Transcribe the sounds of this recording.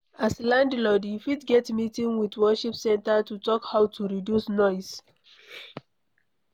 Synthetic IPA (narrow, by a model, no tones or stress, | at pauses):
aslãndlɔdifitɡɛtmitĩŋwitwɔʃipsɛ̃ntatutɔkhaʊtuɹidjusnɔɪs